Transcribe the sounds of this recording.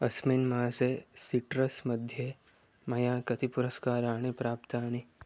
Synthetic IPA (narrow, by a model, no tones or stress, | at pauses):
ɐsminmãːsesiʈɾɐsmɐd̪ʱje | mɐjãːkɐt̪ipʊɾɐskaːɾaːɳ̃ipɾaːpt̪aːni